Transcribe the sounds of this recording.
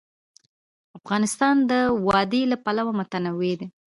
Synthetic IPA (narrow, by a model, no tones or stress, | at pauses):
afɣɑnɪst̪ɑnd̪əwɑd̪elapalawamʊt̪anawed̪e